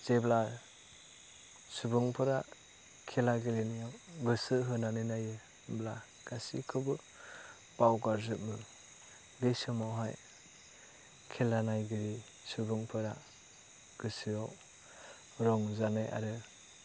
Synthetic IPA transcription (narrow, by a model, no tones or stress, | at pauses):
z̥ebla | subɯŋpʰɯɾa | kʰelaɡɯlenijawɡɯsɯɦɯnanɯnajɯ | bla | ɡ̥asḭkʰɯbɯ | b̥awɡaɾzɯp̚mɯ | ɡejsɯmawɦaj | kʰelanajɡɯɾi | subɯŋpʰɯɾa | ɡ̥ɯsɯjɔw | ɾɔŋzanaja̰ɾɯ